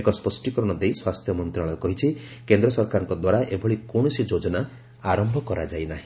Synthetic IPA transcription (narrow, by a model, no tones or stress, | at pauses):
ekɔspɔsʈikɔɾɔɽ̃ɔd̪ejswast̪ʰjɔmɔnt̪ɾaɭɔkɔɦit͡ʃʰi | kend̪ɾɔsɔɾkaɾɔŋkɔd̪waɾaʔebʱɔɭikoɽ̃ɔsid͡ʒod͡ʒɔna | aɾɔmbʱɔkɔɾad͡ʒajnaɦĩ